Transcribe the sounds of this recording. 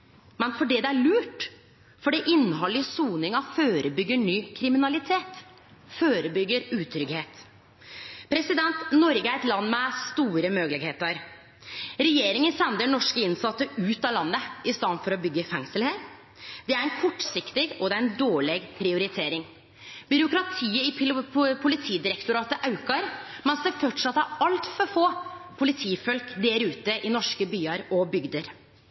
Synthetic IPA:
mɛnfɔɖɛd̪ɛæɭʉːʈ | fɔɖɛʔɪnːhɔlːɪəsuːnɪŋɑføːɾəbʏɡːəɳyːkʰɾɪmɪnɑlɪt̪ʰeːt̪ | føːɾəbʏɡːəɾʉːt̪ʰɾʏɡheːt̪ | pʰɾɛsɪd̪ɛnt̪nɔɾɡəæɾɛt̪lɑnːmɛst̪uːɾəmøːɡəlɪɡeːt̪əɾ | ɾɛjeːɾɪŋənsɛnd̪əɳɔʂkəɪnsɑt̪ːəʉːt̪ɑlɑnːəɪst̪ɑːnfɔɾɔbʏɡːəfɛŋsəlheːɾ | d̪ɛæɾɛnkʰɔʈːsɪkt̪ɪɡɔd̪ɛæɾɛnd̪oːɭɛɡpʰɾɪʊɾɪt̪ʰeːɾɪŋ | bʏɾʊkɾɑt̪ʰiːəɪpʰʊlɪt̪ʰiːd̪ɪɾɛkt̪ʊɾɑːt̪əʔɑʉkɑɾmɛnsd̪ɛfɔʈʂɑt̪ːæɾɑlt̪fɔɾfoːpʰʊlɪt̪ʰiːfœlkd̪ɛːɾʉːt̪əʔɪnɔʂkəbyːɑɾɔbʏɡd̪əɾ

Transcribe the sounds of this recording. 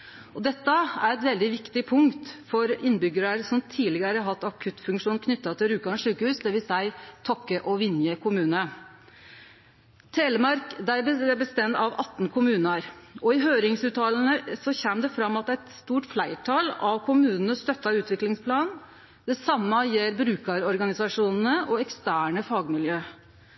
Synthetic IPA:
ɔd̪ɛt̪ːəæɾɛt̪ʋɛld̪ɪʋɪkt̪ɪpʰʊŋkt̪fɔɾɪnːbʏɡəɾəɾsɔmt̪ʰiːlɪɡəɾəɦɑt̪ːɑkʰʉt̪ːfʉŋkʂuːnkʰnʏt̪ːɑt̪ʰɪlɾʉːkɑʂʉːkəhʉːsd̪ɛʋɪsæɪt̪ʰɔkːəʔɔʋɪnjəkʰʊmʉːnə | t̪ʰeːləmɑɾkd̪æbəbəst̪ɛmt̪ɑʋɑt̪ːn̩kʰʊmʉːnɑɾʔɔɪɦøːɾɪŋsʉːt̪ɑːln̩əsɔçɛːmd̪ɛfɾɑmːɑt̪æt̪st̪uːʈflæɪʈʰɑlɑʋkʰʊmʉːnn̩əst̪œt̪ːɑʉːt̪ʰʋɪklɪŋspʰlɑːn | d̪̥ɛsɑmːəɑjeːɾbɾʉːkɑɾɔɾɡɑnɪsɑʂuːnn̩əʔɔɛkst̪æːɳəfɑːɡmɪljøː

